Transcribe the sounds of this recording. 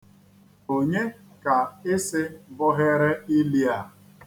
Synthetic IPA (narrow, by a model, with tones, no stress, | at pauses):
o˨ɲe˦ | ka˨ɪ˦sɪ˦bʊ˦ɦe˦ɾe˦ɪ˦li˦a˨